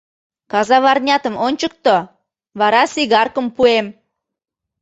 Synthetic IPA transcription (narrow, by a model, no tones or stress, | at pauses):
kɑzɑβɑrnʲɑt̪əmonʲt͡ɕək̚t̪o | βɑɾɑsiɣɑrkəmpuem